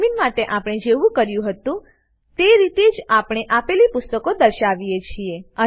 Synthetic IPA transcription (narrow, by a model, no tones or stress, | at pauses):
minmaʈeʔapɽ̃ed͡ʒeʋũkəɾjũɦət̪ũ | t̪eɾit̪ed͡ʒapɽ̃eʔapelipʊst̪əkod̪əɾʃaʋijet͡ʃʰieə